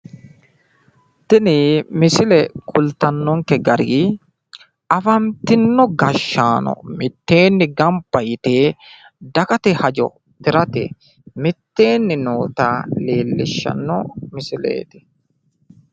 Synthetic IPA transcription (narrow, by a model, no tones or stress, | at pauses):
t̪ɪnɪmɪsɪlɛkʼʊlt̪ɐnːɔŋkɛɡɐɾiː | ɐfɐmt̪ɪnːɔɡɐʃːaːnɔ̰mɪt̪ːe̞ːnːɪɡɐmpːɐjɪt̪eː | d̪ɐkɐt̪ɪhɐd͡ʒɔ̰ | t̪ɪɾɐt̪ɪ̰ | mɪt̪ːeːnːɪnoːt̪aːleːlːɪʃːɐ̰nːɔmɪsɪlḛːt̪ɪ̥